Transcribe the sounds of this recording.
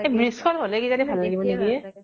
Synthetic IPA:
ebɹiskʰɔnɦolɛkizanibʱalːaɡibɔneɡiɛ

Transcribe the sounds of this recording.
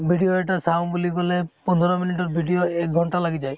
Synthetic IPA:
bʱiɖijoɛʈasawnbulikɔlɛpɔnʱɔɹɔminitɔt̚bʱiɖijoɛk̚ɡʱɔnʈalaɡizaj

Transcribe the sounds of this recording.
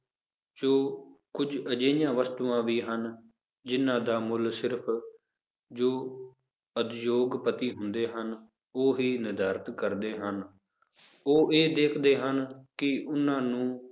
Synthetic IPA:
d͡ʒoːkʊd͡ʒəd͡ʒeːɪjãːʋəst̪uːãːʋiːɦən | d͡ʒɪnːãːd̪aːmʊlsɪɾpʰ | d͡ʒoː | əd̪joːɡpət̪iːɦʊnd̪eːɦən | oːɦiːnɪd̪aːɾət̪kəɾd̪eːɦən | oːeːd̪eːkʰd̪eːɦənkɪʊnãːnũː

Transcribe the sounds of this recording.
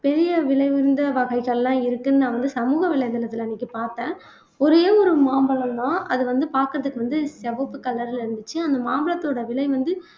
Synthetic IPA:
pɛɾɪjɐʋɪɭɐɪʋɪɾɯnd̪ɐʋɐɣɐɪɣɐɭlːãːɪɾɯkːɯnɯnãːʋɐnd̪ɯsɐmuːɣɐʋɪɭɐjɐnɪlɐt̪ːɪlɐnːiːkːɯpaːɾt̪ẽː | ɔɾejɐːɔɾɯmaːmbɐɭɐ̃md̪ãːʔɐðɯʋɐnd̪ɯpaːɾkɯɾɐðɯkːɯʋɐnd̪ɯsɛbɐpːɯkɐlːɐɾɪlɪɾɯnd̪ɯt͡ʃːɯɐnd̪ɐmaːmbɐɭɐt̪ːoːɽɐʋɪɭɐɪʋɐnd̪ɯ

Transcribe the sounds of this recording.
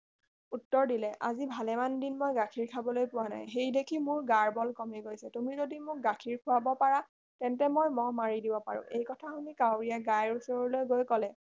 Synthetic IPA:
utːɔɹdilɛʔa̰zibʱalɛmandinmojɡakʰiɹkʰabɔlojpʊwana̰jɦejdekʰimʊɹɡaɹbɔlkɔmɛɡojsɛtumizodimʊk̚ɡakʰiɹkʰʊwabɔpaɹa | tɛntɛmojmɔmaɹidibɔpa̰ɹʊ̰̃ʔejkɔtʰaunikawɹijaɡajɹusɔɹɔlojɡojkɔlɛ

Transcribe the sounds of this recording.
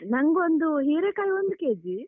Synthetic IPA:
nɐŋɡond̪uɦiːɾeːkaːjiond̪ukeːd͡ʒi

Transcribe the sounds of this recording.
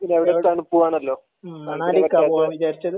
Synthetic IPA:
pinːeʋiɽet̪ɐɳupːuʋaːnɐlːo̞ː | naʋɐtːaiʋit͡ɕaːɾit͡ɕːɐðɨ

